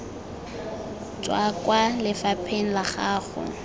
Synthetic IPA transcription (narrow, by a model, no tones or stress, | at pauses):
t͡ʃʼwakʼwalɪfapʰeŋ̩laχaːχʊ̰